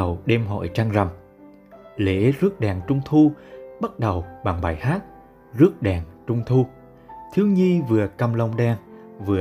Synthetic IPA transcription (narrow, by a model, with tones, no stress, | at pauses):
ə˨˩wɗɛ˧mɦɔ̰˧˨jt͡ɕaː˧ŋza˨˩m | lḛ˧˦zɨ˦˥ək̚ɗaː˨˩ŋt͡ɕʊ˧wŋ͡mt̪ʰu˧ɓa˦˥t̚ɗə˨˩wɓa˨˩ŋɓaː˨˩jhaː˦˥t̚ | zɨ˦˥ək̚ɗaː˨˩ŋt͡ɕʊ˧wŋ͡mt̪ʰu˧ | t̪ʰi˨˦wɲi˧vɨ˨˩əkə˧mlə˧wŋ͡mɗaː˧ŋ | vɨ˨˩ə